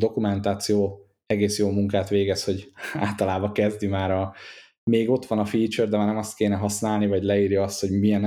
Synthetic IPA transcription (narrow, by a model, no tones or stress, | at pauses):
d̪o̞kumɛnt̪aːt̪sijoː | ɛɡeːsjoːmuŋkaːt̪ʋeːɡɛsho̞ɟa̰ːlt̪ɒlaːbɒkɛzd̪imaːɾɒ | meːɡo̞t̪ʋɒnɒfiːt͡ʃørd̪ɛmarnɛmɒst̪̚keːnɛɦɒsnaːlnivɒɟlɛiːrjɒɒst̪ho̞ɟmiɛn